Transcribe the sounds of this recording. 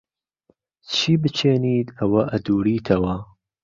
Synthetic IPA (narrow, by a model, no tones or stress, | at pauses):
t͡ʃʰiːbɨt͡ʃʰeːniːt̪ɐwɐʔɐd̪uːɾiːt̪ʰɐwɐ